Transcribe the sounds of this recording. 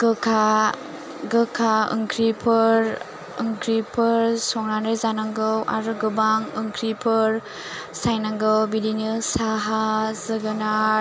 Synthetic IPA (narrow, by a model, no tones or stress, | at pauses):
ɡɯkʰa | ɡɯkʰaɯ̰ŋkʰɾipʰɯɾ | ɯŋkʰɾipʰɯɾsɔŋɾanɯzanaŋɡɯwa̰ɾɯɡɯbaŋɯŋkʰɾipʰɯɾ | sajnaŋɡɯwbilinɯsaɦazɯɡɯna